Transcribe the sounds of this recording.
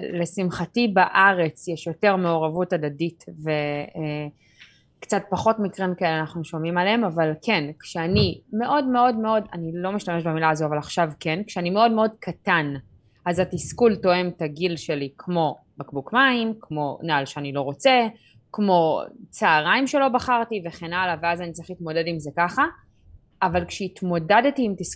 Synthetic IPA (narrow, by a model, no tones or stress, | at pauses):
le̞simχatibaʔaʁe̞t͡sjɛʃjo̞teʁme̞oʁavutadaditve̞ | kt͡sat̚paχo̞tmikʁimkaeleanaχnuʃomimaleemavalkʰe̞nkʃeanime̞ʔo̞dme̞o̞dme̞o̞danilo̞miʃtame̞ʃbemilaazo̞avalaχʃavkenkʃeanime̞o̞dmeo̞dkʰatan | ʔazatiskulto̞e̞mtaɡilʃe̞likʰmo̞ | bakbukmaimkʰmo̞naalʃeanilo̞ʁo̞t͡se̞ | kmo̞t͡saːʁaimʃelo̞baχaʁtive̞χe̞nalaveazanit͡saʁi̥χlitmo̞de̞dimzekaχaː | valkʃeitmo̞dadtiːmtis